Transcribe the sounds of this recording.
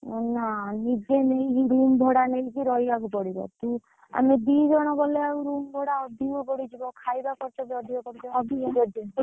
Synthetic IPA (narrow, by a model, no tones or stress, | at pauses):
nanid͡ʒeneikiɾumbʱɔɽaneikiɾɔɦiakupɔɽibɔ̰t̪u | a̰med̪id͡ʒɔɽ̃ɔbɔleauɾumbʱɔɽaɔd̪iɔbɔɽid͡ʒibɔkʰajbakɔɾt͡ʃʰɔd͡ʒɔd̪ibɔkɔɾt͡ʃʰɔɔd̪ʱiɔd͡ʒɔd̪i